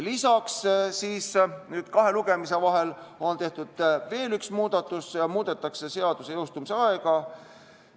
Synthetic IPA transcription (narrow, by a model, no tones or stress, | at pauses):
lisɑkssiːsnyːd̪̥kɑɦe̞luɡ̥e̞mise̞vɑɦe̞lo̞nt̪e̞ht̪ud̪̥ve̞ːlyksmuːd̪̥ɑt̪ːˑusjɑmuːd̪e̞t̪ːˑɑkse̞se̞ɑd̪̥usejewst̪umiseɑeɡ̥ɑ